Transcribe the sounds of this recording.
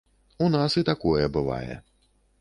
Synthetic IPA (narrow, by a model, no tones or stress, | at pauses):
unasit̪akɔjɛbɨva̰jɛ̰